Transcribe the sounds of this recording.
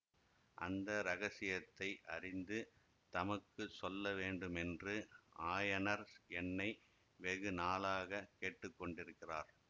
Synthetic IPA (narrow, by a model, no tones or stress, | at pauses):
ʔɐ̰nd̪ɐɾɐɣɐsɪjɐt̪ːɐɪʔɐ̰rɪnd̪ɯ | t̪ɐmɐkːɯsɔlːɐʋeːɳɖɯmɛndrɯʔaːjɐnɐɾɛnːɐɪ | ʋɛɣɯnaːlaːɣɐkeːʈːɯkːɔɳɖɪɾɯkːɪraːɾ